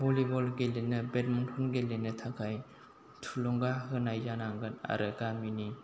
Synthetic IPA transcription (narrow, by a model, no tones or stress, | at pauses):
bɔlibɔlɡelenɯbet̚mɔntʰɔnɡelenɯtʰakʰaj | tʰulɔŋɡaɦɯnajzanaŋɡɯna̰ɾɯɡamini